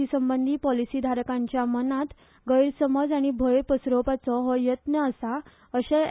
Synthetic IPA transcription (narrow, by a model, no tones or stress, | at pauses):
isəmbənd̪ʱiːpɔlisiːd̪ʱaɾkãɲt͡ɕjamənat̪ | ɡəjɾsəməd͡zaɽ̃ibʱəjpəsɾopat͡sɔɦɔjət̪nəːsa | əɕe